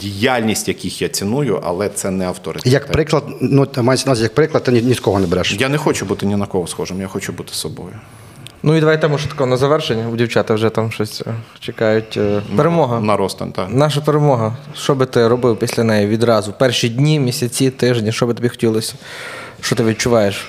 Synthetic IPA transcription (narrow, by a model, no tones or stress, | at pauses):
dʲijalʲnʲisʲtʲjɐkʲixjat͡sʲinujʊ̰ʔɐ̰lˠɛt̪sɛnɛɐwt̪ɔɾɪtjɐkp̪pɾɪklˠɐd̪numajsʲnsʲjɐk̚pɾɪklˠɐd̪̚t̪ːɪnʲit̪kɔɦɔnɛbɛɾɛʃjanɛxɔt͡ʃʊbut̪ɪnʲɪnɐkɔɦɔsxɔʒɪmjaxɔt͡ʃʊbut̪ɪ̥sɔbɔ̰jʊ | nuid̪ɐʋajt̪ɛmɔt̪ɐ̥kɔɦɔnɐzɐʋɛrʃenʲːɐʊdʲiwt͡ʃɑt̪ɐwʒɛt̪ɑmʃɔsʲ | t͡ʃekɑjʊtʲpeɾemɔɦɐnɐɾɔst̪ɐ̰nʲt̪anɑʃ̬ɐpeɾemɔɦɐʃt͡ʃɔbɪt̪ɪɾɔbɪwpʲisʲlʲɐnɛjɛʋʲid̪ɾɑzʊpɛrʃidʲnʲimʲisʲɐt͡sʲit̪ɪʒnʲiʃɔbɪt̪ɔbʲixɔ̥tʲilˠɔsʲɐ̥ | ʃt͡ʃɔt̪ɪʋʲid̪̚t͡ʃʊʋɑjeʃ